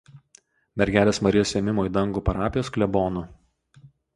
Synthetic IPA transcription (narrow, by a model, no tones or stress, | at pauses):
mʲɛɾʲɡʲæːlʲeːsmɐɾʲɪjoːsʲeːmʲɪmoːiˑd̪ɐŋɡuːpɐɾɑːpʲɪjoːsklʲɛbɔːnʊ